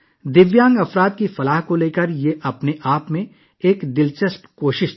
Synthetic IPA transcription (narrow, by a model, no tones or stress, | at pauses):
d̪ɪʋjãːŋɡɐfɾaːd̪̚kifɐlaːɦkoleːkəɾjeʔɐpneʔaːpmẽ | eːkd̪ɪlt͡ʃəspkoːʃɪʃ